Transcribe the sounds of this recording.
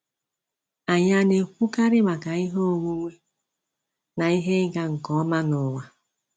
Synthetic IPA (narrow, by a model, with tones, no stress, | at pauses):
a˨ɲa˦ne˨kʷu˦ka˦ɾɪ˦ma˨ka˨i˦ɦo˦o˨ŋʷu˦ŋʷe˦ | na˨i˦ɦe˦ɡa˦ŋ̩˨kɔ˨ɔ˦ma˦nɔ˨ŋʷa˨